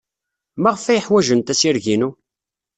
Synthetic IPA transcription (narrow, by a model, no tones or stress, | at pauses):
mæʁəfæjəħwæʒənt̪æsiɾʝinu